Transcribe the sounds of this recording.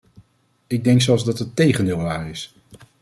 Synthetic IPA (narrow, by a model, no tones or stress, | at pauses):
ɪɡ̚dɛŋksɛlˠzdɑtətːejχəndɪːlˠʋaːrɪs